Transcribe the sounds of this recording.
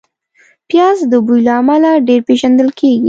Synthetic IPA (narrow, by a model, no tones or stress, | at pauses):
pjɑzd̪əbujlaːmalaɖeɾpeʒand̪əlkʰeɡḭ